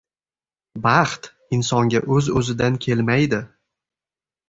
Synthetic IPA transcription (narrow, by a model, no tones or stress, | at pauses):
bɑχt̪ | ɪnsɒŋɡʲaʔɵzɵzɪd̪ankʲʰe̞lmajd̪ɪ